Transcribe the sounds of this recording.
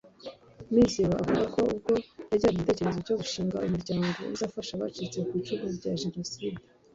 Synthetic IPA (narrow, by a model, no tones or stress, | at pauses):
miziwaavuɡako̞ub̚ɡo̞jaɾɟaːɡitece̞ɾe̞zoɾɟoɡuʃiːŋɡaumuɾɟaːŋɡo̞̰ṵzaːfaʃaβa̰ːt͡ʃit͡se̞kwit͡ʃuβuzɟaʒe̞no̞siːde